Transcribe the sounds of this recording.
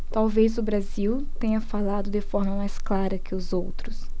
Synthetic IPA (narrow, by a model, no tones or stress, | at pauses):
t̪awvejzʊbɾaziwt̪ẽɲɐfalad̪ʊd̪ɪfɔɾmɐmajsklaɾɐkʰɪʊzowt̪ɾʊs